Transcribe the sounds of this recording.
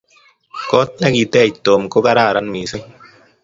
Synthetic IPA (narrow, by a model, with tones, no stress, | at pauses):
kɔ˦t̪̚nɛ˦ki˨t̪ɛ˦˨t̪oː˨mko˦ka˦ɾaː˦˨ɾa˦nmi˨se˦